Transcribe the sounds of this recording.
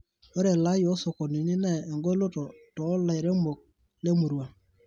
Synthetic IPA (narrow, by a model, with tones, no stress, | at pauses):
o˦ɾe˨la˨˦jo˦so˨ko˨ni˨ni˦nɛː˦˨ŋɡo˦lo˦tɔ˨tɔ˨˦la˨jɾe˦mo˨k̚ | le˦mu˨ɾwa˨